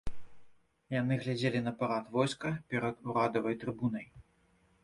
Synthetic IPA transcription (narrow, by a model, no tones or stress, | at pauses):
jan̪ɨɣlʲad͡zʲelʲinɐpaɾat̪vɔjskɐpʲɛɾɐd̪uɾad̪ɐvɐjt̪ɾɨbunɐj